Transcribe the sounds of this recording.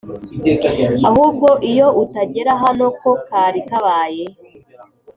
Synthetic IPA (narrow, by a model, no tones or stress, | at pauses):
ahuːbɡo̞ʔijo̞ʔutaɟe̞ɾaɦano̞kʰo̞kaːɾikaβaːje